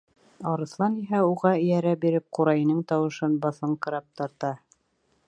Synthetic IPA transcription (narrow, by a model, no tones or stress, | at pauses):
ɑɾɤ̆slˠɑniɦæuʁɑɘ̆jæɾæbiɾɘp̚quɾɑjɤ̆nɤɴt̪ɑwɤ̆ʃɤnbɑθɤɴqɤ̆ɾɑp̚t̪ɑɾt̪ɑ